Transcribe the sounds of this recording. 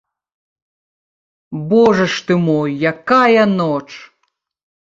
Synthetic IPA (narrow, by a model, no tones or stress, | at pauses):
bɔʐɛʂt̪ɨmɔjːakajɐnɔt͡ʂ